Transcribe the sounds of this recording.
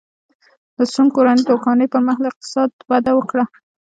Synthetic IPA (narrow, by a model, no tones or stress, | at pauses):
d̪əsunkoɾanijd̪okɑnəjpəɾməxlɪq̚t̪ɪ̥sɑd̪̚wad̪awəkɽa